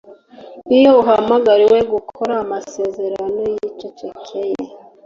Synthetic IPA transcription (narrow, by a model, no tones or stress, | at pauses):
ijouɦamaɡaɾiwe̞ɡukʰoɾaːmase̞ze̞ɾano̞jicocekʰejḛ